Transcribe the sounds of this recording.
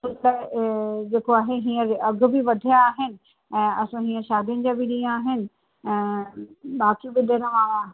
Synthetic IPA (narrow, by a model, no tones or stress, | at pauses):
ʊt̪ɐ | d͡ʑeːkoaːɦeɦiːə̃ɾɐɡ̆ʱbɪʋɐd̪ʱijaːɦɪnɪ̆ | ɛ̃ːɐsãɦĩːə̃ʃaːd̪ʱijʊnɪd͡ʑãbɪɗĩːaːɦɪnɪ̆ | ɛ̃ːɓaːkibɪɗɐɾəmã